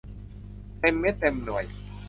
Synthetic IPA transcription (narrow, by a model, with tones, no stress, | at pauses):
t̪e˧mːe˦˥t̪ːe˧mnu˨˩ə˦j